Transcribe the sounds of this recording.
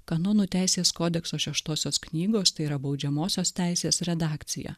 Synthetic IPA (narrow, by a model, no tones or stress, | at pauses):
kɐnoːnuːt̪ʲæˑɪsʲeːskoːd̪ʲɛksoːʃʲɛʃt̪oːsʲoːsknʲiːɡoːst̪ɐɪiːɾɐbɒʊd͡ʒʲɛmoːsʲoːst̪ʲæˑɪsʲeːsɾʲɛd̪ɑːkt̪sʲɪjɛ̰